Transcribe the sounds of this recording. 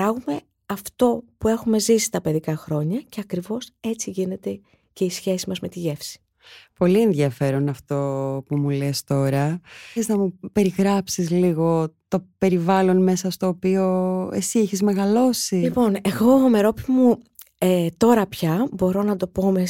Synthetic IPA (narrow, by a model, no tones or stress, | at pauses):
ɾɐɣume̞ | ɐft̪o̞pue̞xume̞zisi̥st̪ɐpe̞ðikɐxɾo̞ɲɐce̞ɐkɾivo̞se̞t͡siʝine̞t̪e̞ | ce̞isçe̞simɐzme̞t̪iʝe̞fsi̥ | po̞lie̞nðʝɐfe̞ɾo̞nɐft̪o̞pumulest̪o̞ɾɐeznɐmupe̞ɾiɣɾɐpsizliɣo̞t̪o̞pe̞ɾivɐlo̞nme̞sɐst̪o̞ːpio̞esieçezme̞ɣɐlo̞silipo̞ne̞ɣo̞me̞ɾo̞pimu | et̪o̞ɾɐpçɐbo̞ɾo̞nɐd̪o̞po̞me